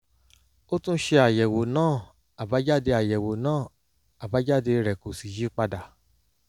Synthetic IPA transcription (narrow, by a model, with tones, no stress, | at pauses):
o˦tũ˦ʃe˧a˨jɛ˨wo˨nãː˦˨ | a˨ba˨˦d͡ʒa˦˨de˧a˨jɛ˨wo˨nãː˦˨ | a˨ba˨˦d͡ʒa˦˨de˧ɾɛ˨ko˨si˨d͡ʒi˨˦k͡pa˧da˨